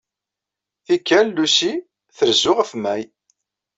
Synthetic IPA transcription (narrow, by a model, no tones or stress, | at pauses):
θikːælːusi | θəɾzʊʁəfmæj